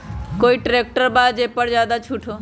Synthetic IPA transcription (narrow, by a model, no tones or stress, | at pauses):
koːiːʈɾeːk̚ʈəɾbaːd̪d͡ʒeːpəɾd͡ʒjaːd̪at͡ʃʰuʈʰoː